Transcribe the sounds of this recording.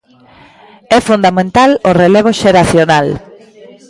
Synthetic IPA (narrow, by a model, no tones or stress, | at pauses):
ɛfund̪amẽnt̪aloreleβ̞oʃeɾaθjonal